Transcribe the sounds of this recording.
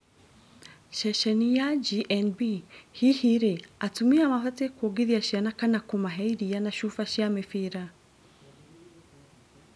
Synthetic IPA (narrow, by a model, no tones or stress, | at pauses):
ʃeʃenijaɟiʔenbihihiɾeatumiamafatekwoɡiɾiaʃianakanakumaɦeiɾijanaʃufaʃjamefiɾa